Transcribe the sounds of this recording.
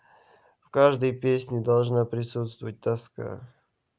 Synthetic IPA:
fkaʐd̪əjpʲesʲnʲɪd̪ɐlˠʐnapɾʲɪsut̪st̪vəvət̚ʲt̪ɐska̰

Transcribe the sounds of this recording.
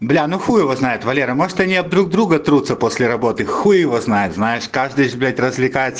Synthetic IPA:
blʲanuxujɪvoznajɪt̪vɐlʲeɾəmo̞ʐɨt̪ɐnʲɪɐb̚d̪ɾuɡ̚d̪ɾuɡət̪ɾut̪səpo̞sʲlʲɪɾɐbo̞t̪ɨxujɪjɪvoznajɪt̪znajɪʂkaʐd̪ɨjʐblʲatʲrəzʲvlʲɪkajɪt̪sə

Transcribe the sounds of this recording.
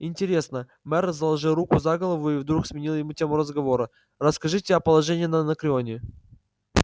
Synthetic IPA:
ɪnʲtʲɪɾʲe̞snə | mɛrzəlˠɐʐɨlˠɾukʊzaɡəlˠəvʊivd̪ɾuksmʲɪnʲilˠjɪmutʲe̞mʊɾəzɡɐvo̞ɾə | rəskɐʐɨtʲɪɐpəlˠɐʐɛnʲɪjənənəkɾʲɪonʲɪ

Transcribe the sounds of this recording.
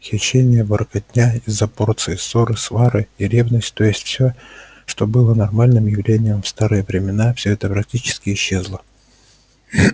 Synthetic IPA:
xʲɪɕːenʲɪjəvəɾkɐd̪ʲnʲaɪzːɐpo̞rt̪sɨjɪso̞ɾɨsvaɾɨiɾʲe̞vnəsʲtʲt̪o̞jɪsʲtʲfsʲɵ | ʂt̪o̞bɨlˠənɐrmalʲnɨmjɪvlʲenʲɪjəmfst̪aɾɨjəvɾʲɪmʲɪnafsʲɵɛt̪əpɾɐk̚tʲit͡ɕɪ̥skʲɪɪɕːe̞zlˠə

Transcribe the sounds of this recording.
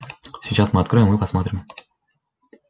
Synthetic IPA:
sʲɪt͡ɕasmɨɐt̪kɾɔjɪmːɨpɐsmot̪ɾʲɪm

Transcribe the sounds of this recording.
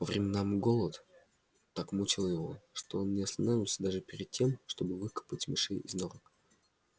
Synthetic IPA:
vəvɾʲɪmʲɪnamɡo̞lˠət̪ | t̪akmut͡ɕɪlˠjɪvo̞̰ʂt̪o̞onnʲɪɐst̪ɐnavʲɪlˠsʲəd̪aʐɨpʲɪɾʲɪd̪̚tʲe̞mʂt̪o̞bɨvɨkə̥pətʲmʲɪʂɨjɪ̰znoɾək

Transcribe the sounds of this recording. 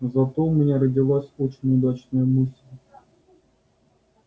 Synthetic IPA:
zɐt̪omʲɪnʲaɾədʲɪlˠasʲot͡ɕɪnʲʊd̪at͡ɕnəjəmɨsʲlʲ

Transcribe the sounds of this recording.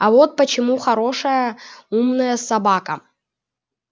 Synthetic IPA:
ɐvot̪̚pət͡ɕɪmuxɐɾoʂəjəumnəjəsɐbakə

